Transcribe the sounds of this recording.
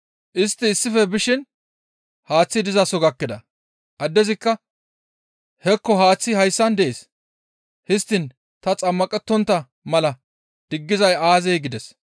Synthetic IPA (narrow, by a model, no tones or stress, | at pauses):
ʔɪst̪ːɪːsːɪfɛbɪʃɪn | haːt͡sːɪd̪ɪzɐsɔɡɐkːɪd̪ɐ̰ | ʔɐd̪ːɛzɪkːɐ | hɛkːɔɦaːt͡sːɪhɐjsːɐnd̪ɛʔeːs | hɪst̪ːɪn | t̪ɐt͡sʼɐmːɐkʼɛt̪ːɔnt̪ːɐ | mɐlɐ | d̪̥ɪɡːɪzɐjaːzɛjɡɪd̪ɛs